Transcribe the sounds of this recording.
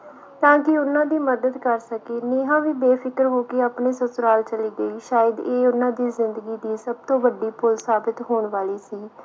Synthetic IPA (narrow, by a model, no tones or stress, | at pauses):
t̪ãːkɪʊnãːd̪iːməd̪əd̪kəɾsəkeːneːɦãːʋiːbeːpʰɪkəɾɦoːkeaːpɳeːsəsʊɾaːlt͡ʃəliːɡəiːʃaːjəd̪eːʊnãːd̪iːzɪnd̪əɡiːd̪iːsəb̚t̪õːʋəɖiːpʰʊlsaːbɪt̪ɦoːɳʋaːliːsiː